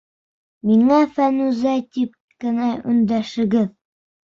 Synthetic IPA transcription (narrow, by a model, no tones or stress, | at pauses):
miŋæfænʉzæjt̪ip̚ | kɘ̆næʔɵ̆nd̪æʃɘ̆ɡɘð